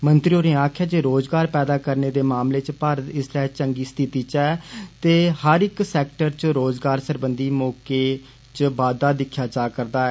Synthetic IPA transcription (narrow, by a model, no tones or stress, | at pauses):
mənt̪ɾiːoɾẽːaːkʰjaːd͡ʒeːɾoːzɡaːɾpɛːd̪aːkəɾneːd̪eːmaːmleːt͡ʃpaːɾət̪ɪsɾɛːt͡ʃəŋɡiːst̪ʰɪt̪iːt͡ʃɛːt̪eːhəɾɪksɛːk̚ʈəɾt͡ʃɾoːzɡaːɾsəɾbənd̪iːmɔːkeː | t͡ʃəbaːd̪aːd̪ɪkʰːjaːt͡ʃaːkəɾd̪aːɛː